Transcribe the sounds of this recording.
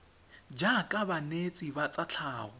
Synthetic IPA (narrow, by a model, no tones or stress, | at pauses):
d͡ʒakʼabanet͡sʼibat͡sʼat͡ɬʰaːɣʊ